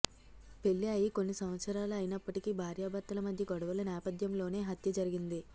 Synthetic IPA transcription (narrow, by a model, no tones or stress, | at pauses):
pe̞lːiaːjiko̞nːisɐmʋɐt̪sɐɾaːluɐjinɐpːɐʈikibʱaːɾjaːbɐɾt̪ːɐlɐmɐd̪ʱjɐɡɐɽuʋɐlɐnɛːpɐd̪jɐmlo̞ːne̞ːɦɐt̪jɐd͡ʒɐɾiɡind̪i